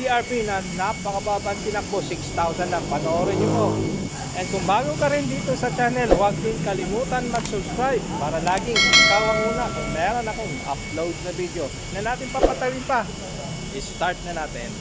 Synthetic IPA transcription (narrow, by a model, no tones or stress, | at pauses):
iɐɹpinɐnɐpɐkɐbaːbɐnt̪ɪnɐŋposɪkst̪awsɐnd̪ɐŋpɐnoɾoɲʊmo | ʔɛn̚kʊŋbaːɡokɐɾɪnd̪iːt̪o̞sɐt͡ʃaːnɛlwɐɡ̚d̪ɪŋkɐlɪmuːt̪ɐnmɐɡsʊbskɾajb̚paːɾɐlaːɡɪŋsaːwɐŋmuːnɐkʊŋmɛːɾonɐkoŋʔɐ̰p̚lowd̪̚nɐbid̪o̞ | nɐnaːt̪ɪnpɐpɐt̪ɐwɪnpɐ | ʔɪst̪aɹt̪̚nɐnaːt̪ɪn